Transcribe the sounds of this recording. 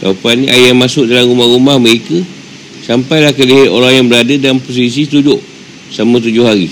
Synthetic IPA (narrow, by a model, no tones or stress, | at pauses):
da̰panːĩʔajamasʊʔ̚dalamɾumahɾumahməɾekə | sampajlahkəliɦaʔ̪oɾajaŋbəɾadədanpos̬is̬ist̪ud͡ʒʊʔ | samãt̪̬ud͡ʒʊhɦaɾi